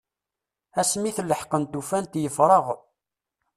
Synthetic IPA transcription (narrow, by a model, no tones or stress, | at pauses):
æsmiθəlːəħqənt̪ufænt̪jəfɾˤəʁ